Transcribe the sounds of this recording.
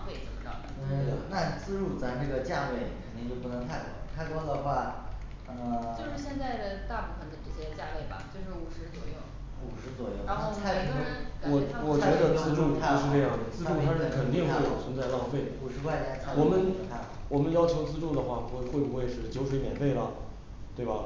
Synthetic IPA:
ŋfe˥˩t͡sə̰˨˩mə˦ʈ͡ʂɑ̰˥˩˥ə˩na˥˧t͡sɹ̩˥˧ɻu˥˧t͡sa˥˧ɪnə˥˩ɡə˩t͡ɕja˥˧we˥˩ɪ˨kʰə˨˩nt̪i˥˧ŋjo˥˩ʊpu˥˩nə˧˥ŋt̪ʰa˥˩ɪkwɑ˥ʊt̪ʰa˥˩ɪkɑ˥ʊd̪ə˨xwa˥˩ | ə˧jo˥ʊʂɻ̩˥˩ɕjɛ˥˧nt͡sa˥˩ɪd̪ə˩t̪a˥˧pu˥˩fə˩nd̪ə˩ʈ͡ʂɤ˥˩ɕjɛ˥t͡ɕja˥˧we˥˩ɪbɐ̰˩t͡ɕjo˥˧ʊʂɻ̩˥˩u˨˩ʂɻ̩˧˥t͡swɔ̰˨˩jo˥˩ʊ | u˨˩ʂɻ̩˧˥t͡swɔ˨˩jo˥˩ʊ˧˥˧a˥˧˥wɔ˨˩˥wɔ˧˨˩t͡ɕɥɛ˧˥d̪ə˧t͡sɹ̩˥˧ʈ͡ʂu˥˩˥ʂɻ̩˥˧ʈ͡ʂɤ˥˧jɑ˥˩ŋd̪ə˩t͡sɹ̩˥ʈ͡ʂu˥˩˥ə˥˩kʰə˨˩nt̪i˥˧ŋxwe˥˩ɪɑ˨˩ʊt͡sʰə˧˥nt͡sa˥˧ɪlɑ˥˧ʊfe˥˩ɪu˨˩ʂɻ̩˧˥kwa˥˧ɪt͡ɕa˥˩t̪ʰa˥˧wɔ˨˩mə˦n˥˩ | wɔ˨˩mə˦njɑ˥ʊt͡ɕʰjo˧˥ʊt͡sɹ̩˥˧ʈ͡ʂu˥˩d̪ə˩xwa˥˩˥xwe˥˩ɪbu˧xwe˥˧ɪʂɻ̩˥˩t͡ɕjo˧˥ʊwe˧˥ɪmjɛ˨˩nfe˥˩ɪlə˩ | t̪we˥˩ɪbɐ˩

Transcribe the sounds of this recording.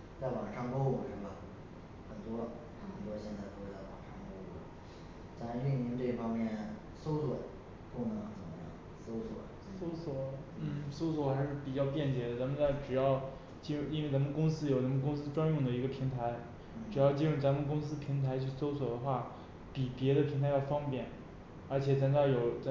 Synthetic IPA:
t͡sa˥˩ɪwɑ˨˩ŋʂɑ˥˧ŋpo˥u˨˩ʂə˥˩bə˩ | xə˨˩nt̪wɔ˥ | xə˨˩t̪wɔ˥ɕjɛ˥˧nt͡sa˥˩ɪpo˥˧xe˥˧˩la˥˩wɑ̰˨˩ŋʂɑ˥˩ŋko˥ʊu˥˩˨ | t͡sa˧˥i˥˩i˧˥nt̪we˥˩fɑ˥ŋmjɛ˥˩n | so˥ʊswə˨˩˦ | pu˥˩nɤ˧˥ŋxt͡sə̰˨˩mə̰˦jɑ̰˥˩ŋ | so˥ʊswɔ̰˨˩˦so˥ʊswɔ˨˩˦n̩˥˩so˥ʊswɔ˨˩xa˧˥ɪʂɻ̩˥˩pi˨˩t͡ɕjɑ˥˧ʊpjɛ˥˩nt͡ɕjɛ˧˥d̪ə˧t͡sa˧˥mə˧nt͡sa˥˩ɪʈ͡ʂɻ̩˨˩jɑ˥˩ʊ | t͡ɕi˥ɻʊ˥˧i˥nwe˥˩ɪt͡sa˧˥mə˧kʊ˥ŋs̬ɹ̩˥jo˨˩ʊt͡sa˧˥mə˧nkʊ˥ŋs̬ɹ̩˥ʈ͡ʂwa˥njʊ˥˩ŋd̪ə˩i˧˥ɡə˧˩pʰi˧˥ŋt̪ʰa˧˥ɪ | ʈ͡ʂɻ̩˨˩jɑ˥˩ʊt͡ɕi˥ɻʊ˥˩ŋt͡sa˧˥mə˨˧kʊ˥ŋs̬ɹ̩˥pʰi˧˥ŋt̪ʰa˧˥ɪt͡ɕʰy˥˩so˥ʊswɔ˨˩d̪ə˦xwa˥˩ | pi˨˩pjɛ˧˥ɾə˧pʰi˧˥ŋt̪ʰɪjɑ˥˩ʊfɑ˥ŋpjɛ˨˩˦n | ə˞˧˥t͡ɕʰjɛ˨˩t͡sa˧˥nt͡ɕa˥˩jo˨˩˦ʊt͡s

